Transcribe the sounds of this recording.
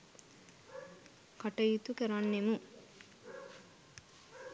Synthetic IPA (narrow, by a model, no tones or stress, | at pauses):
kɐʈɐjit̪ukeɾanːemu